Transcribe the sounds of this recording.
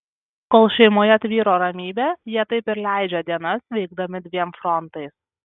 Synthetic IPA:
koːlˠʃʲɛɪmoːjɛɐt̪ʲʋʲiːɾoːɾɐmʲiːbʲejiɛt̪ɐɪpɪɾlʲæˑɪd͡ʒʲɛːd̪ʲiɛnɐsʋʲɛɪɡd̪ɐmʲɪd̪ʲʋʲiɛmfɾɔnt̪ɐɪs

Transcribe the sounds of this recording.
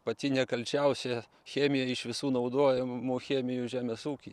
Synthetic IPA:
pɐt̪ʲɪnʲɛkɐlʲt͡ʃʲɛʊsʲɛ | xʲæːmʲɪjɛɪʃʋʲɪsuːnɐʊd̪oːjɛmuxʲeːmʲɪjuʒʲæːmʲɛsuːkʲi

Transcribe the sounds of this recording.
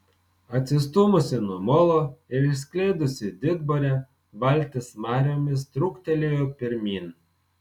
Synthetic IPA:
ɐt̪ʲsʲɪst̪ʊmʊsʲɪnuɔmɔlˠoɪɾsʲkʲlʲɛɪd̪ʊsʲɪd̪ʲɪd̪bɔɾʲɛ | ʋɐlʲt̪ʲɪsmɑːɾʲoːmʲɪs̬t̪ɾʊkt̪ʲɛlʲejopʲɪɾʲmʲiːn

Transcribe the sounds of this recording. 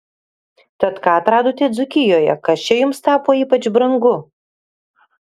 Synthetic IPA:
t̪ɐt̪kɑːɐt̪ɾɑːd̪oːt̪ʲeːd̪zʊkʲɪjoːjɛ̰kɐst͡ʃʲɛjʊmst̪ɑːpoːiːpɐt͡ʃbɾɐŋɡʊ

